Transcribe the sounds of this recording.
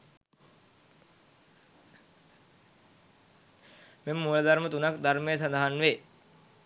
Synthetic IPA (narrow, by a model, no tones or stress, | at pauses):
memːuələd̪aɾmət̪unakd̪aɾmejəs̬and̪aɦanʋe